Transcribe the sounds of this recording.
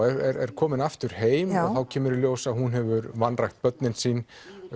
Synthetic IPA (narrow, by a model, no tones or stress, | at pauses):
ɛɾɛɾɛɾ̥kʰɔːmɪnaft̪ʏɾ̥heːjmɔθawcʰɛːmʏɾiljoːwsaðhunɦɛvʏɾvanːrajxt̪̚pœt̪nɪnsiːn